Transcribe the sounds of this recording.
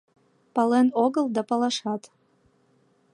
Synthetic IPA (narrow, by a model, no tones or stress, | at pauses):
pɑlenoɡəlˠd̪ɑpɑlɑʃɑt̪